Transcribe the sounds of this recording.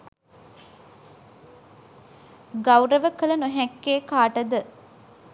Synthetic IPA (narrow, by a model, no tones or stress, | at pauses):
ɡawɾəʋəkələnoɦɛkːeːkaːʈəd̪ə